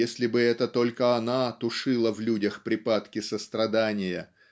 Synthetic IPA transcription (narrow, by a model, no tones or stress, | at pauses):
esʲlʲɪbɨɛt̪ət̪o̞lʲkəɐnat̪ʊʂɨlˠəvlʲudʲəxpɾʲɪpat̪kʲɪsəst̪ɾɐd̪anʲɪjə̰